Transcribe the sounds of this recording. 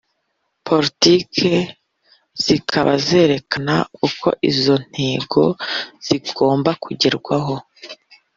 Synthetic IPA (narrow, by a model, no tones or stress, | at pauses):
pʰo̞ɾitikʰe̞ | z̥ikʰaβaze̞ːɾe̞kanaukʰo̞̰ʔizo̞n̥heːɡo̞z̥iɡo̞ːmbakʰuɟeɾɡwaɦo̞